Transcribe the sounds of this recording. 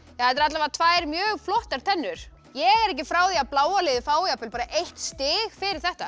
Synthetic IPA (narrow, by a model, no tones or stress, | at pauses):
jahajt̪ɾat̪lavat̪ʰvaːjɾmjœːɣflɔht̪aɾ̥t̪ʰɛnːʏɾ̥ | jɛɣɛɾɛhcɪfɾaːwðiaplaːwalɪðɪfaːwjapɪlpaːɾaʔejht̪st̪ɪːɣfɪɾɪɾ̥θɛht̪a